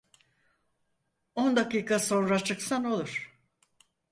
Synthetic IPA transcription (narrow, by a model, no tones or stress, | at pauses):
ond̪akiːkʰaso̞nɾat͡ʃʰɯksano̞lˠuɾ̥